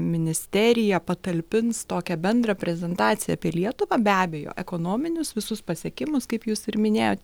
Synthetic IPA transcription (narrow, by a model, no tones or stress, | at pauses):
mʲɪnʲɪsʲt̪ʲæɾʲɪjɛpɐt̪ɐlʲpʲɪnst̪oːkʲɛbʲɛnd̪rɐpʲɾʲɛzʲɛnt̪ɑːt̪sʲɪjɛ̰ɐpʲiɛlʲiɛt̪ʊʋɑːbʲæːbʲɛjo̰ːʔɛkoːnoːmʲɪnʲʊsʋʲɪsʊspɐsʲɛkʲɪmʊskɐɪpjuːsɪɾmʲɪnʲeːjoːt̪ʲ